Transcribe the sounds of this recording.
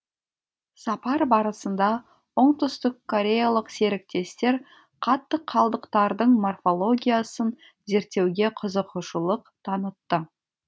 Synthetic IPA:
sɑpɑɾbɑɾəsənd̪ɑ | ʊɴt̪əst̪əqʰːo̞ɾʲe̞jalˠəqse̞ɾɪk̚t̪e̞st̪e̞ɾ | qʰɑt̪ːəqʰːɑlˠd̪əqt̪ɑɾd̪əɴmo̞rfo̞lˠo̞ɡʲijasən | ze̞ɾt̪ːe̞wɡʲe̞qʰəzəqʰʊʃəlˠəqt̪ʰɑnət̪ːə

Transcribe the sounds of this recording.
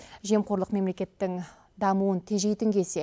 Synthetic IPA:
ʒe̞mqʰo̞ɾlˠəqme̞mle̞kʲe̞t̪ːɪŋ | d̪ɑmuwənt̪ʰeʒejt̪ɪŋkʲʰe̞se̞

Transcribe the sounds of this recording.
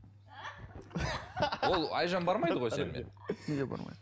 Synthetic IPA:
o̞lˠɑ̰jʒɑnbɑɾmɑjd̪əʁojsenmḛnʲed̪ebɑ̰ɾmɑ̰jd̪

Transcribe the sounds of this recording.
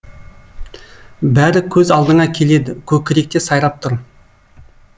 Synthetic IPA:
bæɾɪkʲʰɵzɑlˠd̪əɴɑkʲʰe̞le̞d̪ɪkʲʰɵkʲɪɾek̚t̪e̞sɑjɾˠɑp̚t̪ʰʊɾ

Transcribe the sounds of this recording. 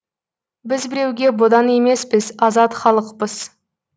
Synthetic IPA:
bɪzbɪɾe̞wɡʲe̞bod̪ɑne̞me̞spɪzɑzɑt̪χɑlˠəqpəz̥

